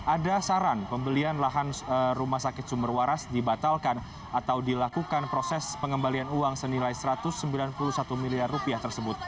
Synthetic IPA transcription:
ʔadasaɾanpəmbəlianlaɦanrumasakɪt̪̚sumərwaɾasdibat̪alkan | ʔat̪awdilakukanpɾosɛspəŋəmbalianuaŋsənilajsəɾat̪ʊsːəmbilanpuluhsat̪umiliarːupiaht̪ərsəbʊt̪̚

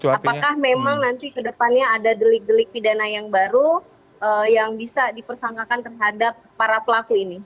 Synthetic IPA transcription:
apakahmemaŋnant̪ikədəpanɲaːdadəlɪk̚dəlɪk̚pidanajaŋbaɾu | ʔəjaŋbisadipərsaŋkakant̪ərɦadap̚ːaɾapəlakuini

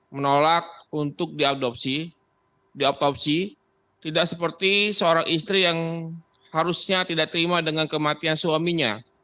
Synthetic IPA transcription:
mənolak̚unt̪ʊk̚diadop̚si | diɔp̚t̪ɔp̚si | t̪idaksəpərt̪isəoɾaŋʔist̪ɾijaŋ | haɾusɲat̪idaʔk̚t̪əɾimadəŋankəmat̪ianswamiɲa

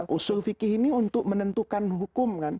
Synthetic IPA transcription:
ʔusʊlfikɪhiniunt̪ʊk̚mənənt̪ukanɦukʊmkan

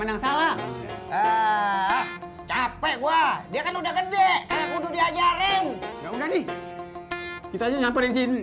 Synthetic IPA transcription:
mənaŋsalaə | t͡ʃapɛʔɡuadiakanudahkədɛʔkalaʔkududiad͡ʒaɾɛŋjaudahni | kit̪ad͡ʒaɲampəɾɛŋsin

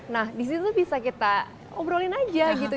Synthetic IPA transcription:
nahdis̬it̪ut̪ubisakit̪a | obəɾolinad͡ʒaɡit̪u

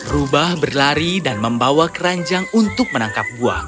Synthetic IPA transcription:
rubahbərlaɾidanməmbawakəɾaɲd͡ʒaŋunt̪ʊk̚mənaŋkap̚ɡua̰

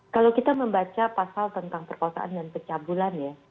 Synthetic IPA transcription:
kalakit̪aməmbat͡ʃapasalt̪ənt̪aŋpərkaasa̰ʔa̰ndankət͡ʃabulanja

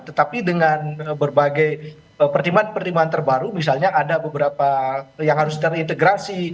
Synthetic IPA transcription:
t̪ət̪apidəŋanbərbaɡaj | əpərt̪imbanpərt̪imbaant̪ərbaɾumis̬alɲaʔadabəbəɾapajaŋɦaɾʊst̪ərint̪eɡɾasi

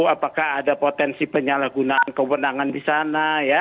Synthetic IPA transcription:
apakaɦadapot̪ɛnsipəɲalahɡunaʔankəwənaŋandisanaja

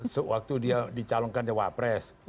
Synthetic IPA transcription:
səwak̚t̪udiadit͡ʃalɔŋkand͡ʒəwapɾɛs

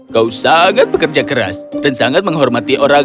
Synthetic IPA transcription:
kausaŋat̪̚b̥ə̤kərd͡ʒaɡəɾa̰sd̥ansaŋat̪̚məŋɦɔrmat̪iʔoɾa

